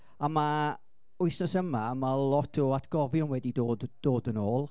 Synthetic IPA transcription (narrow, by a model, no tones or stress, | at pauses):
ama | ʊɨsnɔsəmamalˠɔtʰɔatʰɡ̥ɔvjʊnwɛdidoːdd̥oːdənoːlˠ